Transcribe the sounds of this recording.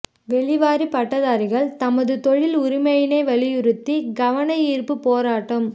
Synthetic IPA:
ʋɛɭɪʋaːɾipɐʈːɐðaːɾɪɣɐɭt̪ɐmɐðɯt̪ɔɻɪlʊɾɪmɐjɪneːʋɐɭɪjʊɾɯt̪ːiɡɐʋɐnɐjiːɾpɯpoːɾaːʈːɐm

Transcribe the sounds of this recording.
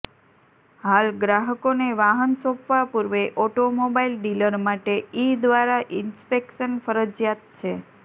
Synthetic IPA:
ɦalɡɾaɦəkoneʋaɦənsõpʋapuɾʋeʔɔʈomobailɖiləɾmaʈeid̪ʋaɾaʔɪnspekʃənfəɾəd͡ʒjat̪̚t͡ʃʰe

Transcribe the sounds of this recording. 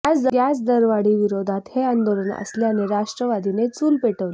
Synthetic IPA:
asd̪ɡasd̪əɾʋaɽiːʋiɾod̪ʱat̪heand̪olənə̰slejaneɾaʂʈɾəʋad̪ʱinet͡suːlpeʈəʋl

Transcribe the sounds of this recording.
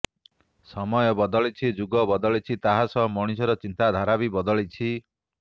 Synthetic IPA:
sɔmɔjɔbɔd̪ɔɭit͡ʃʰid͡ʒuɡɔbɔd̪ɔɭit͡ʃʰit̪aɦasɔɦɔmɔɽ̃isɔɾɔt͡ʃint̪ad̪ʱaɾabibɔd̪ɔɭit͡ʃʰi

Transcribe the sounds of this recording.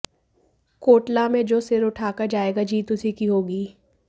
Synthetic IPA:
koːʈlamẽd͡ʒoːsɪɾʊʈʰaːkəɾd͡ʒaːeːɡad͡ʒiːt̪ʊsikiɦoːɡiː

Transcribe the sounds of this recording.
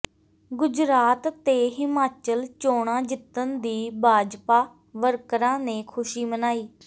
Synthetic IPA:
ɡʊd͡ʒɾaːt̪tːeːɦɪmaːt͡ʃəlt͡ʃoːɽ̃ãːd͡ʒɪt̪ːənd̪iːbʱaːd͡ʒpaː | ʋəɾkɾãːnẽːkʰʊʃiːmənaːiː

